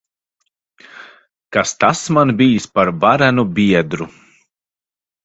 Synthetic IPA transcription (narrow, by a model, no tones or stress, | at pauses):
kast̪asmanbʲijispaɾvaɾænubʲiɛd̪ɾu